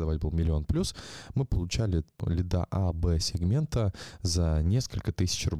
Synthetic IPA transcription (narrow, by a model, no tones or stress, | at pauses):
d̪ɐvatʲbɨlˠmʲɪlʲɪo̞nplʲusmɨpəlˠʊt͡ɕælʲɪlʲɪd̪a̰ʔabɛsʲɪɡmʲe̞nt̪əzɐnʲe̞skəlʲkət̪ɨsʲɪ̥t͡ɕrʊb